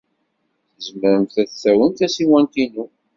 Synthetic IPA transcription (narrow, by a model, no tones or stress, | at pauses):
θəzməɾənt̪æθθæwənt̪æsiwænt̪inu